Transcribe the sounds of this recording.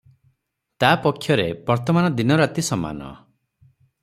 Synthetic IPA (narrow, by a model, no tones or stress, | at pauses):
t̪apɔkʰːjɔɾebɔɾt̪ɔmanɔd̪inɔɾat̪isɔma̰nɔ̰